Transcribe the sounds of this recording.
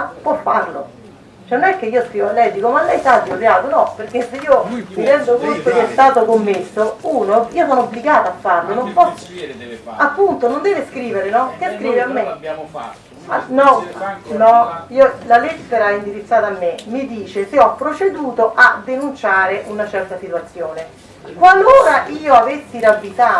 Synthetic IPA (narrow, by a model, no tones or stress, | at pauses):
pwɔfːarlo̰ | t͡ʃɛnːonɛkːeiːoskiːolɛjd̪iːkomalːɛjsat̪ːiopjaːt̪onɔperk̟esːeiːomid̪ɛnd̪okont̪okɛɛst̪aːt̪okomːesːouːnoiːosɔːnoobliɡaːt̪aafːarlonompɔs | apːunt̪onond̪ɛːveskɾiːveɾenɔk̟easkɾiːveamːe | nɔnɔiːolalɛt̪ːeɾaɛind̪iɾit̪sːaːt̪aːmːemid̪iːt͡ʃeseɔpːɾot͡ʃed̪uːt̪oʔad̪ːenunt͡ʃaːɾeʔunat͡ʃɛrt̪asit̪uat̪sːjoːne | kwaloːɾaʔiːoavesːiɾabːit̪aː